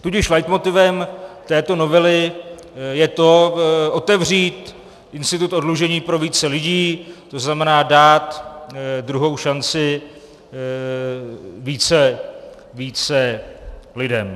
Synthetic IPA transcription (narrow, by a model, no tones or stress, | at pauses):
t̪uɟɪʃlajt̪mo̞t̪ɪvɛmt̪ɛːt̪o̞no̞vɛlɪ | jɛt̪o̞ʔo̞t̪ɛvr̝iːt̪ | ʔɪnst̪ɪt̪ut̪ʔo̞dluʒɛɲiːpɾo̞viːt͡sɛlɪɟiːt̪o̞znamɛnaːdaːt̪ | d̪ɾuɦo̞wʃant͡sɪ | viːt͡sɛ | viːt͡sɛ | lɪdɛm